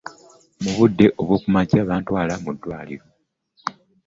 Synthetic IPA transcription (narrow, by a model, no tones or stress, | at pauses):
muβudːe̞ʔo̞βwoːkumacaːβaːntwaːlamudːwaːliɾo̞